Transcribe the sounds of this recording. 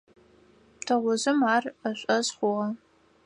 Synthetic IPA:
tʰɐʁʷʊzɨmaːrɐɕʷʼɐzχʷʊʁɐ

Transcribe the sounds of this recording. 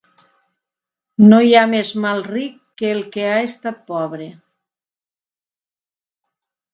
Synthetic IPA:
nojamezmalˠrikːeːlˠkeaest̪at̪̚pɔβɾe

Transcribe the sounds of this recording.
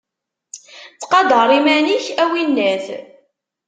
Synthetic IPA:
t͡sːqɑd̪əɾˤimæniçæwinːæθ

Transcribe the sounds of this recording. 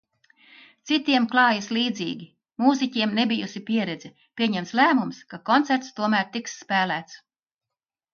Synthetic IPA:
t̪sit̪iɛmklˠɑːjisliːd̪ziːɡʲi | muːzicʲiɛmnebʲijusipʲiɛɾɛd̪zɛ | pʲiɛɲɛmt̪slæːmumskakɔnt̪sæɾt̪st̪uɔmæːɾt̪iksːpæːlæːt̪s

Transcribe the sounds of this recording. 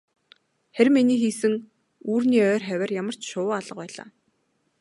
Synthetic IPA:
χæɾʲminiːxiːsɘ̆ŋ | uːrniːœːrχæwʲæːrjamə̆r̥t͡ɕʃʊːaɮə̆q̚pæːɮa̰ː

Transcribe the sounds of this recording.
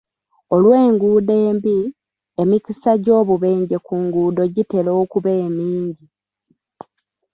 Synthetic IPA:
o̞lwe̞ːŋɡuːdeːmbi | emicisaɟo̞ːβuβe̞ːɲɟe̞kuːŋɡuːdo̞ɟite̞lo̞ːkuβeːmiːɲɟi

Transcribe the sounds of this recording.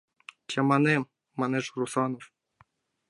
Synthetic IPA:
t͡ɕɑmɑnemː | ɑneʐrusɑnof

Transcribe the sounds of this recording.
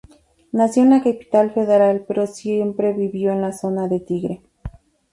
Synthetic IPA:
nasjoenlakapi̥t̪alfeðeɾalpeɾosjempɾeβiβjoenlasonaðet̪iɣɾe

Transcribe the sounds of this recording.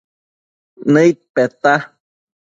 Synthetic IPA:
nɨjt̪̚pet̪a

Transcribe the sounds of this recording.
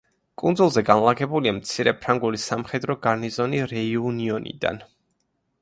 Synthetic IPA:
kʼund̪zulˠzɛɡanlˠaɡɛbuliamt̪sʰiɾɛpʰɾaŋɡulisamχɛd̪ɾɔɡaɾnizɔniɾɛiuniɔnḭd̪a̰n

